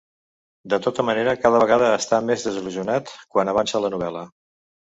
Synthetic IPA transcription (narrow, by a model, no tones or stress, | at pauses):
d̪ət̪ot̪əməneɾəkaðəβəɣ̞að̞əːst̪amezðəziluziunat̪kwanəβansələnuβ̞ɛlə